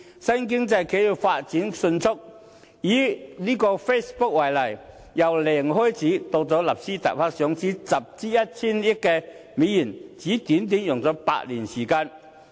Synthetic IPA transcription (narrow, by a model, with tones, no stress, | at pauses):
sɐ˥nkɪ˥ŋt͡sɐ˧jke˧˥ji˨˩faː˧t̚t͡siː˨˥nsɵ˧nt͡sʰʊ˥k̚ | jiː˨˥liː˥kɔː˧fe˥spʊ˥k̚wɐ˨˩jlɐ˨˩j | jɐ˨˩wlɛː˨˩ŋɦɔː˥jt͡sʰiː˨˥t̪ɔ˧k̚t͡sɔː˨˥lɐ˨p̚siː˥t̪a̰ː˨j̚pʰaː˥k̚sœ˨˥ŋt͡siː˨˥sɐ˨p̚t͡siː˥jɐ˥t̚t͡sʰiː˥nɪ˥tkɛː˧ | mi˨˥jiː˨˩nt͡siː˨˥t̪iː˨˥nt̪̬i˨˥njʊ˨˩ŋt͡sɔː˨˥pa̰ː˧t̚li˨˩nsiː˨˩kaː˧n